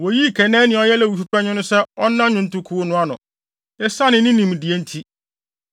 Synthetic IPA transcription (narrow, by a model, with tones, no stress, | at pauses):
wo˨ji˦˨kʰɛ˨nɛ̃˦nɪ̃˨˦ɔ˨˦jɛ˦lɛ˦˨wu˨fu˦pʰɛ˦ɲɪ̃˦nʊ̃˦sɛ˦ɔ˦nã˦ɲʊ̃˦n̩˦tʊ˦kʰu˨˦o˦nʊ̃˦a˨nʊ̰̃˨ | ɛ˦sa˦nɪ̃˨nɪ̃˦nĩ˨m˨di˨e˦n̩˦tʰi˦